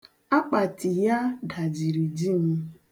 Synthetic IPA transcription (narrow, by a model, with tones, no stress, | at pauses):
a˦k͡pa˨tɪ˨ja˦ɡa˨d͡ʒi˨ɾi˨d͡ʒi˦˨m̩˦